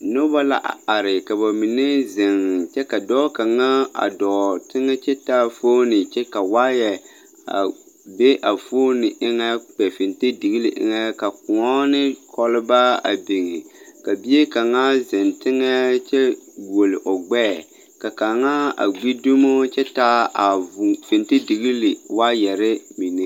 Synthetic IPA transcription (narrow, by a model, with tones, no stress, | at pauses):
nʊ˦ba˦la̰˦ʔa̰˨a˨ɾɪ˨ka˨ba˨mi˨ne˦zɪ˨ŋ˨t͡ʃɛ˦ka˨dɔː˦ka˨ŋa˦a̰˨dɔː˨tɪ˦ŋɛ˦t͡ʃɛ˦taː˦foː˦nɪ˨t͡ʃɛ˦ka˨waː˦jɛ˨ | a̰˨ | be˦ʔa˨foː˦nɪ˨ʔɪ˦ŋɛ˦k͡pɛ˨fɪ˨nte˦dɪ˨ɡi˦lɪ˦ʔɪ̰˦ŋɛ˦ka˨kʊ˨ɔ˦nɪ˦kʰɔ˦lɪ˦ba˦a̰˨be˨ŋɪ˨ka˨bi˦e˦ka˨ŋa˦zɪ˨ntɪ˦ŋɛ˦t͡ʃɛ˦ɡo˨lɪ˨ʔʊ˨ɡ͡bɛː˦˨ | ka˨ka˨ŋa˦a̰˨ɡ͡bi˦du˦mo˦t͡ʃɛ˦ta˦a˨fɪ˨ntɪ˦di˨ɣi˦lɪ˨wa˦jɛ˨ɾɪ˦mi˨ne˦